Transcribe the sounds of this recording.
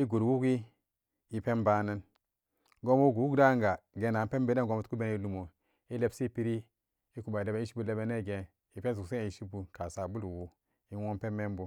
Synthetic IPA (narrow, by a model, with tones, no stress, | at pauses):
i˦ɡu˨ɾwu˦ki˦ | i˨pe˦mba˦na˦n | ɡo˦mo˦ɡu˨wu˦ɡda˦ŋɡa˨ɡe˨na˨˦pe˦mbe˦na˦ɡo˦mu˦tku˦be˦ni˦lu˨mo˨ | i˦le˦bsi˦˨pi˦ɾi˦ | i˦ku˨ba˨i˨le˨be˨˦i˦ʃi˦bu˦le˦be˦ne˦˨ɡe˨ | i˨pe˦n˦z̬u˨kse˦˨i˨ʃi˦bu˨ka˨sa˨bu˦lu˨wu˨ | i˦wo˦m˦pe˦mːe˦m˦bu˨